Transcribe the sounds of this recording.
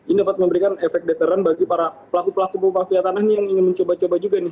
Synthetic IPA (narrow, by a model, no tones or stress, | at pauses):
inidapat̪̚məmbəɾikanefɛk̚dɛt̪əɾanbaɡipaɾapəlakupəlakupupafiat̪anahnɪjaŋiŋɪnməɲt͡ʃobat͡ʃobad͡ʒuɡanɪ